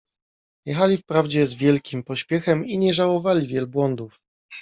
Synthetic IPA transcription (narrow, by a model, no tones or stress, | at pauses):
jɛxalʲifpɾavd͡ʑɛzvʲjɛlkʲimpɔɕpʲjɛxɛmiɲɛʐawɔvalʲivʲjɛlbwɔnd̪uf